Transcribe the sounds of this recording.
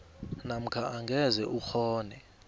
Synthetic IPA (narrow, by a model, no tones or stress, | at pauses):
nam̩kʰaʔaŋɡʱɛzɛʔuxʰɔːnɛ